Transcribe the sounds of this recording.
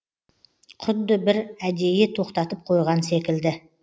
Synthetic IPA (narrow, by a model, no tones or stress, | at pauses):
qʰʊd̪ːɪbɪɾæd̪e̞je̞t̪ʰo̞qt̪ɑt̪əp̚qʰo̞jʁɑnse̞kʲɪld̪ɪ